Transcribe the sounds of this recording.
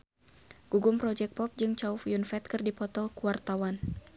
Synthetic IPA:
ɡ̥uɡʊmpɾɔd͡ʒɛk̚pɔp̚d͡ʒɨŋt͡ʃaufjunfɛt̪̚kɨrdipɔt̪ɔkuwart̪awan

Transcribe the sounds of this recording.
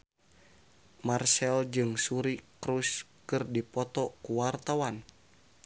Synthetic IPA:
marsɛld͡ʒɨŋsuɾikɾus | kɨrdipɔt̪ɔkuwart̪awan

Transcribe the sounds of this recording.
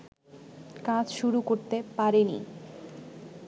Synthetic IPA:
kãd͡ʑʃuɾukoɾt̪epaɾenḭ

